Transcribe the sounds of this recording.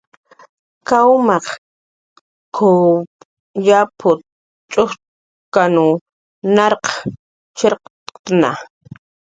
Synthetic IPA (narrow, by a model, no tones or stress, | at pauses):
kawmɑχ | kʰʊ | japʰʊt | t͡ʃʼoχ | kanu | nɑɾq | t͡ʃeɾq | t̪na̰